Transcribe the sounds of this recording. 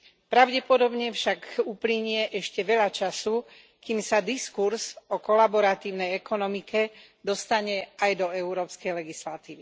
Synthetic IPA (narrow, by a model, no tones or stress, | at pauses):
pɾaʊɟɛpɔd̪ɔbɲɛfʃakupliɲɪɛʔɛʃcɛʋɛʎat͡ʃasu | kimsad̪iskuɾzɔkɔlabɔɾat̪iːʊnɛjɛkɔnɔmikɛ | d̪ɔst̪aɲɛajd̪ɔɛʊɾɔːpskɛjlɛɡislat̪iːʋi